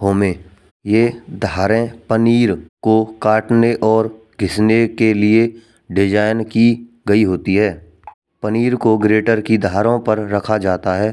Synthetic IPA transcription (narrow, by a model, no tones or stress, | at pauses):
ɦoːmẽ | jed̪ʱaːɾẽpəniːɾkokaːʈneʔɔːɾ | ɡʱɪsnekelie | ɖɪd͡ʒaːɪnki | ɡɐiɦoːt̪iɦɛː | pəniːɾkoɡɾeːʈəɾkid̪ʱaːɾõpɐɾːɐkʰad͡ʒaːt̪aɦɛː